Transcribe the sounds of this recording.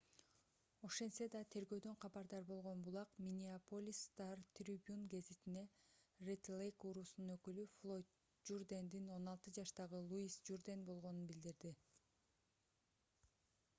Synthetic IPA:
o̞ʃe̞nse̞d̪ɑt̪ʰe̞ɾɡø̞ːd̪ø̞ɴqʰɑbɑɾd̪ɑɾbo̞lˠʁo̞nbulˠɑqmʲinʲiapolʲist̪ɑrt̪ʲrʲibʲunɡe̞zit̪ine̞ret̪lejkuɾusununø̞kylyflˠo̞jt̪ | d͡ʒurd̪end̪ino̞nɑlˠt̪ɯd͡ʒɑʃt̪ɑʁɯlˠuisd͡ʒurd̪enbo̞lˠʁo̞nunbild̪iɾd̪i

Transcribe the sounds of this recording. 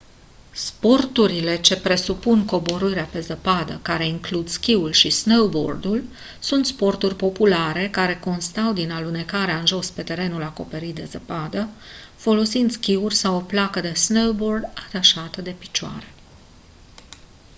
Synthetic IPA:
spo̞rt̪uɾile̞t͡ʃe̞pɾe̞supunko̞bo̞ɾɨɾeape̞zəpad̪əkaɾe̞iŋklud̪skʲiulʃisnowbo̞̰rd̪ul | sunt̪spo̞rt̪urʲpo̞pulaɾe̞kaɾe̞ko̞nst̪awd̪inalune̞kaɾeaɨnʒo̞spe̞t̪e̞ɾe̞nulako̞pe̞ɾit̪̚d̪e̞zəpad̪ə | fo̞lo̞sind̪skʲiurʲsawo̞plakəd̪e̞snowbo̞rd̪at̪aʃat̪əd̪e̞pi̥t͡ʃoa̰ɾe

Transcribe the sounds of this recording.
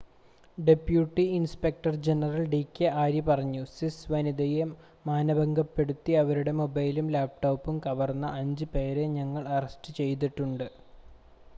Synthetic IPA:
ɖe̞pjuːʈːiinspek̚ʈɐrd͡ʑe̞nɐrɐlɖiːkʲːeʔaːɾjɐpɐrɐɲːusisʋɐnid̪ɐjemː | aːnɐbɐŋɡɐpːe̞ɽut̪ːiɐʋɐɾuɽe̞mobɐjlumlaːp̚ʈoːpːumkɐʋɐrnːɐʔɐɲd͡ʑɨpe̞ːɾe̞ɲɐŋːɐɭɐrɐsʈɨt͡ɕe̞jt̪̬iʈːuɳɖɨ

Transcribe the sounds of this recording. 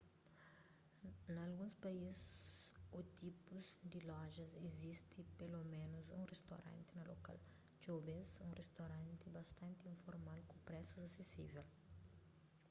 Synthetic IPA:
nɐlɡũspaiz | ut̪ipuzd̪ilɔʒɐzezist̪ɪpelomẽnuzṵ̃rest̪oɾã̰nt̪ɪnɐlo̰ka̰l | d͡ʒobẽsũrest̪oɾãnt̪ɪbɐst̪ɐ̃nt̪iĩɱfoɾmalkũpɾɛsuzɐsesḭvel

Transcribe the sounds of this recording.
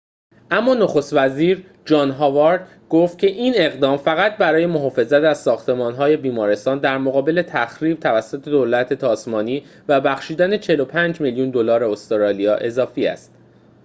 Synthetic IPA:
ʔæmːɒːnoxo̞st̪væziːɾ | d͡ʒɒːnɦɒːvɒɾd̪ | ɡ̥oːft̪̚cʰe̞ʔiːne̞ɣd̪ɒːmfæɣæt̪̚bæɾɒːje̞mo̞ɦɒːfe̞zæt̪æz̥sɒːxt̪ʰe̞mɒːnɦɒːje̞biːmɒːɾe̞st̪ɒːnd̪æɾmoɣɒːbe̞le̞t̪ʰæxɾiːb̥̚t̪ʰævæsːot̪ʰe̞d̪olæt̪ʰe̞t̪ʰɒːsmɒːniːvæbæxʃiːd̪æne̞t͡ʃʰe̞lo̞pʰænd͡ʒmiljuːnd̪o̞lɒːɾeost̪oɾɒːlijɒːʔe̞zɒːfiːæ̰st̪̚

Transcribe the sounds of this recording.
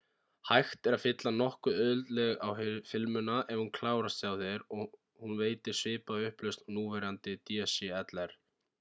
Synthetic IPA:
hajxt̪ɛɾaðfɪt̪lanɔhkʏœðʏlt̪lɛɣawɦfɪlmʏnaʔɛvhunkʰlaːwɾasjawθɛɾɔ | hunveːjt̪ɪɾ̥svɪːpaʏhplœst̪nuːvɛɾant̪ɪt̪iasiɛt̪lɛɾ̥

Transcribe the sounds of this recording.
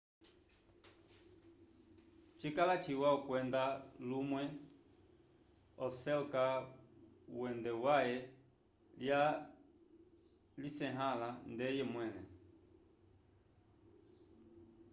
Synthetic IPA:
t͡ʃikalat͡ʃiwaɔkwɛnd̪alumwɛ | ɔsɛlka | wɛndɛwajɛ | lja | lisɛɦalandɛjɛmwɛnɛ

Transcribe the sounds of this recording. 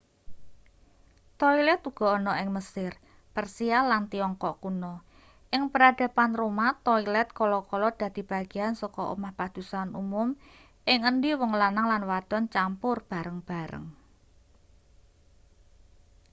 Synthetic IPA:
t̪ɔilɛt̪uɡ̥ɔ̤ɔnɔʔɪŋməsɪr | pərsialant̪iɔŋkɔʔkunɔ | ʔɪŋpəɾad̪̥ä̤panromat̪ɔilɛt̪̚kɔlɔkɔlɔd̪̥ä̤d̪̥i̤b̥a̤ɡ̥iansɔkɔʔṵmahpad̪̥ṳsanumʊm | ʔɪŋəndiwɔŋlanaŋlanwad̪̥ɔ̤nt͡ʃampʊrb̥a̤ɾəŋb̥a̤ɾə̰ŋ

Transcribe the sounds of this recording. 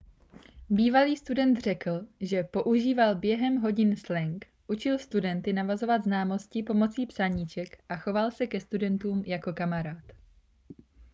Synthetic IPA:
biːvaliːst̪udɛnt̪r̝ɛkl̩ʒɛpo̞ʔuʒiːvalbjɛɦɛmɦo̞ɟɪnslɛŋk | ʔut͡ʃɪlst̪udɛnt̪ɪnavazo̞vad̪znaːmo̞scɪpo̞mo̞t͡siːpsaɲit͡ʃɛkʔaxo̞valsɛkɛst̪udɛnt̪uːmjako̞kamaɾaːt̪

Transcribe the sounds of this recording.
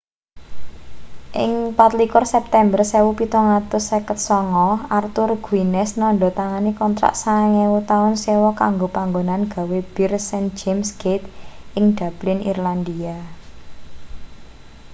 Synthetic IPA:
ʔɪ̰ŋpat̪likʊrsɛp̚t̪ɛmbərsɛwupit̪ɔŋat̪ʊsɛkət̪̚sɔŋɔart̪ʊrɡ̥uinɛsnɔɳɖɔ̤t̪aŋanikɔnt̪ɾa̰ʔsaŋɛwut̪aʊnsewɔkaŋɡopaŋɡonanɡ̥a̤web̥ɪrsɛnd͡ʒemsɡ̥et̪ɪŋd̪̥a̤b̥lɪnḭrland̪ia

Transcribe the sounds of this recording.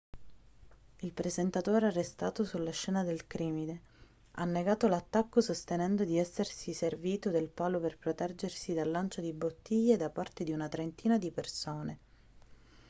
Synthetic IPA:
ilpɾezent̪at̪oːɾearːest̪aːt̪osulːaʃːɛːnad̪elkɾiːmine | a̰nːeɡaːt̪olat̪ːakːosost̪enɛnd̪od̪iɛsːersiserviːt̪od̪elpaːloperpɾot̪ɛd͡ʒersid̪alːant͡ʃod̪ibot̪ʰːiʎːed̪apart̪ed̪iunat̪ɾent̪iːnad̪ipersoːne

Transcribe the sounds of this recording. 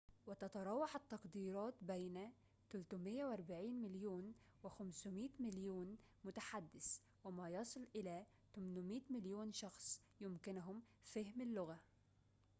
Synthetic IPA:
wɪt̪ɑt̪ɑɾˤɑːwːɑħat̪ːɑqd̪iːɾˤɑːt̪bajna | t̪ʊlt̪ʊmɪjːawʔɑɾˤbaʕiːnmɪljuːn | wɪxamsʊmiːt̪mɪljuːn | mʊt̪aħad̪ːɪs | wɪmajɑsˤɨlʔɪlaː | t̪ʊmnʊmiːt̪mɪljuːnʃɑxsˤ | jʊmkɪnʊɦʊm | fahmalːʊɣa

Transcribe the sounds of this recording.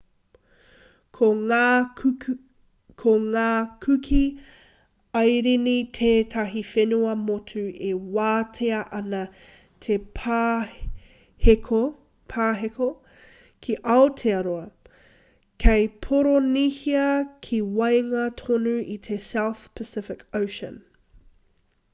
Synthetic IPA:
kʰo | kʰoŋaːkʰʉkʰi | ɐjɾinitʰeːtʰɐɦifenuɐmotʰʉewaːtʰeɐʔɐnɐ | tʰe | hekʰo | pʰaːɦeko | kʰiʔɐotʰeɐɾoɐ | kʰejpʰoɾonihiɐkʰiwɐjŋɐtʰonʉʔitʰesawθpʰəsɪfɪkowʃə̰̃n

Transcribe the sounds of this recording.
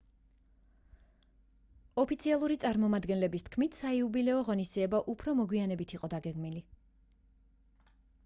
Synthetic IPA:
ɔpʰit̪sʰialˠuɾit̪sʼaɾmɔmad̪ɡɛnlɛbist̪̚ʰkʰmit̪ʰsaiubilɛɔʁɔnisd̪ziɛbaʔupʰɾɔmɔɡwianɛbit̪ʰiqʼɔd̪aɡɛɡmili

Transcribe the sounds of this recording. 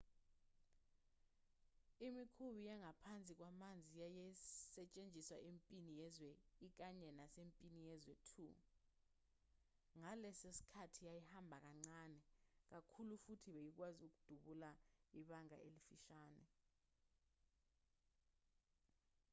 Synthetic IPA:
imikʰuɓijaŋapʰant͡sʼik̬wamand͡zʱijajɛsɛt͡ʃʼend͡ʒʱiswa̰ʔempʼinijɛzwɛik̬aɲɛnasempʼinijɛzwɛtʰṵ | ŋalɛsesi̥kʰatʰijajihambʱak̬aŋ͡ǀaːnɛk̬akʰulufutʰiɓejik̬wazuk̬ud̥ʱuɓulaiɓaŋa̰ʔelifiʃaːnɛ̰

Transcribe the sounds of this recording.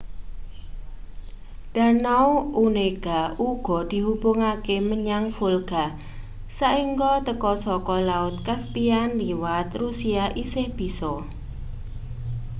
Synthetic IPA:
ɖ̪̥a̤nawuneɡ̥auɡ̥ɔ̤d̪̥i̤ɦubʊŋakeməɲaŋfolɡ̥a̤ | saʔiŋɡɔt̪əkɔsɔkɔlaʊt̪̚kaspianliwat̪rusiaʔisɪhb̥i̤sɔ

